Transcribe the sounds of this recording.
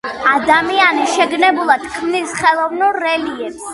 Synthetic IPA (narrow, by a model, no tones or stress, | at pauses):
ad̪amianiʃɛɡnɛbulˠat̪kʰmnisχɛlˠɔvnuɾːɛliɛps